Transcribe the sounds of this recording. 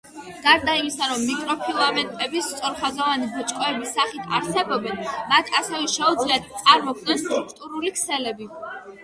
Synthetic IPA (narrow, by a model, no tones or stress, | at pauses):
ɡ̥aɾd̪aimisaɾɔmːikʼɾɔpʰilˠamɛnt̪ʼɛbist̪sʼɔɾχazɔvanibɔt͡ʃʼkʼɔɛbisːaχit̪ʰa̰ɾsɛbɔbɛnmat̪ʰasɛvɛʃɛud̪zliat̪̚ʰt̪sʼaɾmɔɡ̚nɛnst̪ʼɾukʰt̪ʼuɾulikʰsɛlɛbi